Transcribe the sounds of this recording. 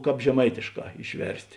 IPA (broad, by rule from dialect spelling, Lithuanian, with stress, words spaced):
ˈkɑːp ʒʲɛˈmɐɪtʲeːʃˌkɑː ɪʃʲˈʋʲɛrʲsʲtʲ